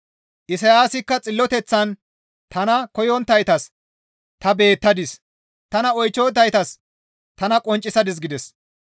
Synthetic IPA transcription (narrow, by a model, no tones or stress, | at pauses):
ʔɪsɐjaːsɪkːɐt͡sʼɪlːɔt̪ɛt͡sːɐn | t̪ɐnɐkɔjɔnt̪ːɐjt̪ɐs | t̪ɐbe̞ːt̪ːɐd̪ɪs | t̪ɐnɐɔjt͡ʃːoːt̪ːɐjt̪ɐs | t̪ɐnɐkʼɔnt͡ʃʼːɪsɐd̪ɪs̬ɡɪd̪ɛs